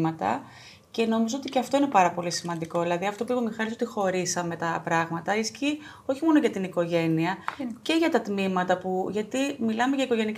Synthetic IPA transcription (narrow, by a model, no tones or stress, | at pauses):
mɐt̪ɐ̰ | ce̞no̞mizoo̞t̪iceɐft̪o̞ine̞pɐɾɐpo̞lisimɐnd̪iko̞ðilɐðiɐft̪o̞puipemixɐɾiz̬ot̪ixo̞ɾisɐme̞t̪ɐpɾɐɣmɐt̪ɐisci | o̞çimo̞noʝɐt̪iniko̞ʝe̞niɐce̞ʝɐt̪ɐt̪mimɐt̪ɐpuʝɐt̪imilɐme̞ʝɐiko̞ʝe̞ni